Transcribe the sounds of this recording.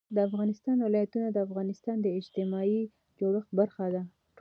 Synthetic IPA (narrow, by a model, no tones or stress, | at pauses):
d̪əafɣɑnɪst̪ɑnwɪlɑjat̪unad̪əafɣɑnɪst̪ɑnd̪əɪd͡ʒt̪ɪmɑi | d͡ʒoɽəxbaɾxad̪a | ʈ